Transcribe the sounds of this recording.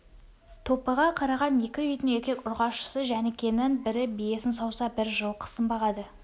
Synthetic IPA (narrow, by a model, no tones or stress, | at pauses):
t̪ʰo̞pəʁɑqʰɑɾɑʁɑne̞kʲɪʏjd̪ɪne̞ɾkʲe̞kʲʊɾʁɑʃə̥səʒænekʲʰe̞nɪnbɪɾɪbije̞sɪnsɑwsɑbɪɾʒəlˠqʰə̥səmbɑʁɑd̪ə